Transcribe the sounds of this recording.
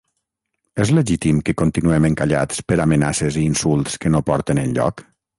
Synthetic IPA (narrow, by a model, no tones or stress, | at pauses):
ɛzleʒit̪imkekont̪inuɛmeŋkaʎa̰t͡spəɾamenaseziːnsulˠt̪skenopɔɾt̪enənʎɔ̰k